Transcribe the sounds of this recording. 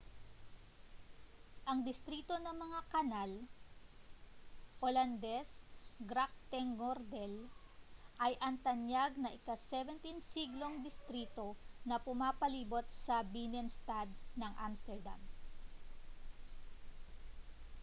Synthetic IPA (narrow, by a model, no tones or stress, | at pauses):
ʔɐŋd̪ɪst̪ɾiːt̪o̞nɐŋmɐŋakɐnal | ʔoland̪ɛsɡɾak̚t̪ɛŋːoɾd̪ɛl | ʔɐjʔɐnt̪ɐnjaɡ̚nɐʔɪkasɛvɛnt̪insiɡlo̞ŋd̪ɪst̪ɾiːt̪o̞nɐpʊmaːpɐliːbot̪̚sɐbinɛnst̪ad̪nɐŋʔa̰mst̪ɛɹd̪a̰m